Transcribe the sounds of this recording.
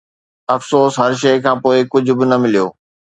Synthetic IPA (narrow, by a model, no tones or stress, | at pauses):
ɐfsoːsɦɐɾʃ̬ɐɪkʰãːpoːɪkʊd͡ʑʱʊ̆bɪnɐmɪlijoː